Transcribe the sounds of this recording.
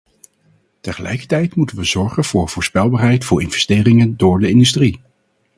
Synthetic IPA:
təχəlʔɛ̰jkəɹtɛjtmutənʋəzɔɹχənv̥ʊːɹv̥ʊːɹspɛlˠbaːɹɦɛjtfʊːɹɪnvɛstɪːrɪŋəndʊːɹdəɪndystri

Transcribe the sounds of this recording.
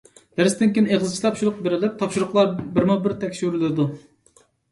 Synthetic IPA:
d̪̥æɾst̪ɪnkʲineʁzɨt͡ʃʰilˠɑpʃuɾʊqbeɾɪlɪp̚t̪ʰɑpʃuɾʊqlˠɑɾbɪɾmubɪɾt̪ʰɛkʲʃyɾɪlɪd̪u

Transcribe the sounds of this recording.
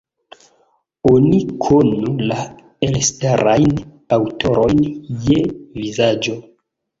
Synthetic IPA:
onikʰonula | elstaɾajn | awtʰo̞ɾo̞jnjevizad͡ʒo̞

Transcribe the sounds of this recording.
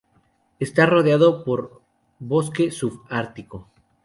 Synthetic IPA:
est̪aro̞ðjaðo̞poɾ | βo̞ske̞sufaɾt̪iko

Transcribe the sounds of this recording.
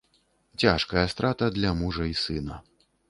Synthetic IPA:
t͡sʲaʂkɐjɐst̪ɾat̪ɐd̪lʲɐmuʐɐisɨnɐ

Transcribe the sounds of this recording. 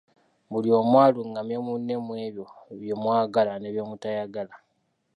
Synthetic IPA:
βulio̞mwaːluŋɡamemunːe̞mwe̞ːβjo̞βjemwaːɡalane̞βjomutajaɡala

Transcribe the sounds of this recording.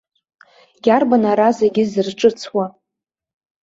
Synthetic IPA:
ɡʲarbanaɾazeɡʲɪzɨrʈ͡ʂʼɨt͡sʰwa

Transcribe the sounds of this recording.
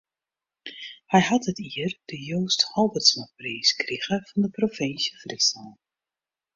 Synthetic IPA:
hɛjhɑtətʰiərd̥əjoːsthɔlˠbətsmapriːskriɣəv̥ɑndəprofɪnsjəfritsɔlˠ

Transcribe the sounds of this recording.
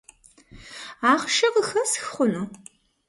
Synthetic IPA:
aːχʃɐqəxɐsxχʷʊnu

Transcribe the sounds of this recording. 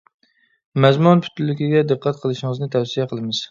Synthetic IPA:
mɛzmunpʰy̥t̪ylːɪkʲiɡʲɛd̪ɨqːæt̪̚qʰəlˠɨʃɪŋɨznɨt̪ʰɛfsijɛqʰəlˠɨmɨz̥

